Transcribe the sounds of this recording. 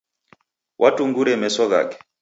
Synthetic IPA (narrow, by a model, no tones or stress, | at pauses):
wʔatuŋɡuɾɛmɛsɔɣa̰kɛ̥